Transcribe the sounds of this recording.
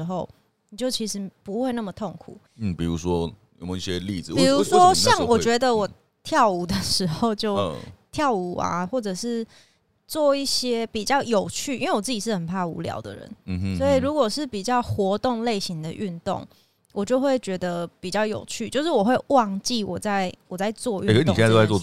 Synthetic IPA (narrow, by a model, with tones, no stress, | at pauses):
xo˥˩ʊ | ni˨˩t͡ɕjo˥˩ʊt͡ɕʰi˧˥ʂɻ̩˧˥pu˧˥xwe˥˧ɪna˥˩mə˨˩t̪ʰo˥˩ŋkʰṵ˨˩ | n̩˥˩pḭ˨˩ɻṵ˧˥ʂwɔ˦jo˨˩m˨˦i˥˧ɕjɛ˦li˥˨d͡z̩˨pi˨˩ɻu˧˦ʂwɔ˦ɕjɑ˥˨ŋwɔ˨˩t͡ɕɥɛ˧˦d̪ə˧wɔ˨˩ | t̪ʰjɑ˥˩ʊu˧˥d̪ə˨ʂɻ̩˧˥xo˥˧ʊt͡ɕjo˥˧ʊt̪ʰjɑ˥˩ʊu˨˧˩a̰˨xwɔ˥˩ʈ͡ʂɤ˨˩ʂɻ̩˥˧ | t͡swɔ˥˧i˥˩ɕjɛ˥pi˨˩t͡ɕjɑ˥˩ʊjo˨˩ʊt͡ɕʰy˥˩i˥nwe˥˩wɔ˨˩t͡sɨ˥˩t͡ɕi˨˩ʂɻ̩˥˩xə˨˩npʰa˥˩ṵ˧˥ljɑ̰˨˧˥ʊd̪ə̰˨ɻə̰˧˦n̩˧swɔ˧˥i˨ɻu˧˥kwɔ˨˩ʂɻ̩˥˩pi˨˩t͡ɕjɑ˥˩ʊxwɔ˧˥t̪ʊ˥˧ŋle˥˩ɪɕi˧˦ŋd̪ə˨ʔy˥˧nt̪ʊ̰˥˩ŋ | wʔɔ˨˩t͡ɕjo˥˧ʊxwe˥˩ɪt͡ɕɥɛ˧˥d̪ə˧pi˨˩t͡ɕjɑ˥˩ʊjo̰˨˩ʊt͡ɕʰy˥˩t͡ɕjo˥˧ʊʂ̬ɻ̩˥˩wɔ˨˩xwe˥˧ɪwɑ˥˧ŋt͡ɕi˥˩wɔ˨˩t͡sa˥˧ɪwɔ˨˩t͡sa˥˧ɪt͡swɔ˥˧y˥˩k̪o˥˧wɔ˥˧